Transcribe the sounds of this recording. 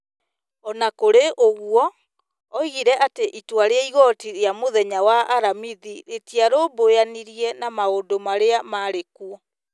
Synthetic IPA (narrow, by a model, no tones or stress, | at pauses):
ɔnakoɾeʔoɣwɔː | iɣiɾɛʔateʔitwaɾeaiɣɔtiɾjamoðɛɲawaaɾamiðiɾetiaɾobojaniɾiɛnamaondomaɾeamaɾekuɔ